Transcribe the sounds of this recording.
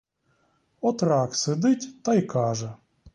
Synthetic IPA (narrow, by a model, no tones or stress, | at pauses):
ɔt̪raksɨd̪ɨtʲt̪ajkaʐɛ